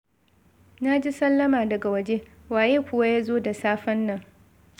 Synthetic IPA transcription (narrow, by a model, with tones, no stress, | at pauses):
na˦d͡ʒi˦sɐ˦lːɐ˦maː˨dɐ˨ɡa˨wɐ˦d͡ʒe˦ | waː˨jeː˦kʷʊ˦wa˦jaː˦zoː˦da˨saː˦ɸɐ˦nːɐ˦˨ŋ